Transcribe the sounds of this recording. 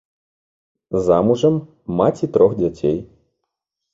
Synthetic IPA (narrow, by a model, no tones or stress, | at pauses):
zamuʐɐmː | at͡sʲit̪ɾɔxd͡zʲat͡sʲej